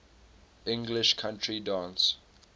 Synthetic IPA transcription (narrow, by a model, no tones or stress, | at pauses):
ɪ̃ŋɡlɪʃkʰãntʰɹidãːns